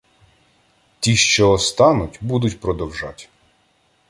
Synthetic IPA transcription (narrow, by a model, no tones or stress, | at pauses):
t̪ʲiʃt͡ʃɔːst̪ɑnʊtʲbud̪ʊtʲpɾɔd̪ɔwʒɑtʲ